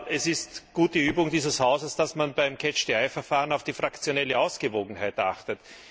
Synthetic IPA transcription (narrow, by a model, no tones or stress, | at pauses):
ɛsɪstɡ̥uːt̚d̥əyːbʊŋdiːzəshaʊzəsd̥asmanbæɪmkʰɛt͡ʃd̥eaɪfɛɐfaːʁənɑʊfd̥iːfʁakt͡sjonɛləʊsɡ̥əvoːɡŋ̩haɪta̰xtət